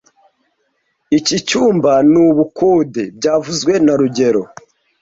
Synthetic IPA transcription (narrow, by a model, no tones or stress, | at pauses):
icit͡ʃuːmbanuβukuːdeb̚ɟaːvuzɡwe̞naɾuɟe̞ɾo̞̰